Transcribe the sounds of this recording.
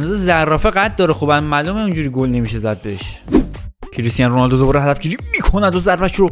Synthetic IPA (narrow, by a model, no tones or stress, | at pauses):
nɒːzezærːɒːfeɣæt̪̚d̪ɒːɾexobæmːæːlomeũnd͡ʒuːɾiɡolne̞miːʃezæd̪̚beeʃ | cʰeɾesiːd̪ænɾonɒld̪od̪obɒːɾeɦæd̪æfɟiːɾimikʰonæd̪ozæɾfæʃɾo